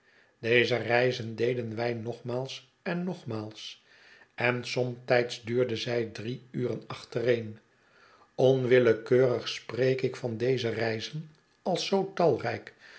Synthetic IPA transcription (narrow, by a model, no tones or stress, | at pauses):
d̥ejzərɛjzəndejdənʋɛjnɔχmaːlˠs | ɛnːɔχmaːlˠs | ɛnsɔmt̪ɛjtzdyːɹdəzɛjdriyːrənɑχtərejn | ɔnʋɪləkøːrəχsprejkɪkfɑndejzərɛjzən | ɑlˠsowtɑlˠrɛjk